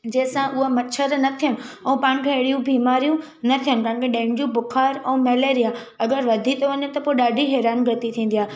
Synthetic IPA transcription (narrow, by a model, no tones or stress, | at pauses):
d͡ʑɐ̃ːɪ̃sãʔʊɦamɐt͡ʃʰəɾnɐt̪ʰijənʊ | ɛ̃ːpãːɪ̃ñkʰeɐɪɽijũbʱiːmaːɾijũ | nɐt̪ʰijənɪkɐ̃ɦɪ̃kʰeɗẽːɪ̃ɳd͡ʑũbʊkʰaːɾɛ̃ːmɛːleːɾija | ɐɡəɾʋɐd̪ʱit̪ʰoʋɐɲət̪ɐpoiɗaːɖʱiɦɛːɾaːnɡɾɪt̪it̪ʰĩːnd̪ijaːɦe